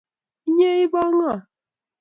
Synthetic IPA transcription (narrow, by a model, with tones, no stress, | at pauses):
ɲe˦i˦bɔ˦ŋ˦a˨